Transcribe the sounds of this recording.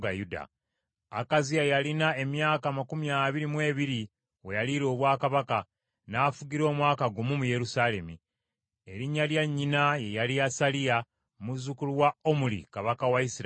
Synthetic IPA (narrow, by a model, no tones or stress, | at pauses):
ɡajuda̰ | akaziajalinae̞mjaːkamakumijaβiɾimwe̞ːβiɾi | wejaliɾo̞ːβwaːkaβaka | naːfuɡiɾo̞ːmwaːkaɡumumuje̞ɾusaːle̞mḭ | e̞ɾiɲːaljaɲːinaje̞jaliasalija | muzukuluwaomulḭkaβakawaisiɾ